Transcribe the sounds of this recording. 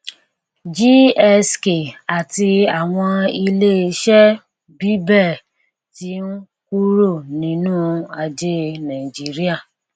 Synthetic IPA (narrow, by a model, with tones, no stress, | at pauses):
d͡ʒi˦ɛ˧ske˨a˨ti˧a˨w̃ɔ̃˧i˧le˦ʃɛ˦ | bi˦bɛ˦˨ | ti˦n̩˦ | ku˦ɾo˦˨nĩ˨˦nũː˦a˧d͡ʒe˦nã˨i˨d͡ʒi˦ɾi˦a˦˨